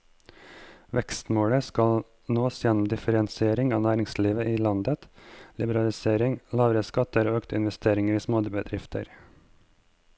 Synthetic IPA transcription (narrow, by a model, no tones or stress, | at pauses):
ʋɛkst̪moːɽəskɑl | noːsjɛnɔmd̪ɪfəɾɛnsɪeːɾɪŋɑːnæːɾɪŋsliːʋəʔiːlɑnd̪ət̪lɪbəɾɑlɪseːɾɪŋlɑːʋɾəskɑt̪əɾoːøːkt̪ʰəɪnʋɛst̪ʰeːɾɪŋəɾiːsmoːd̪bəd̪ɾɪft̪ʰə̰ɾ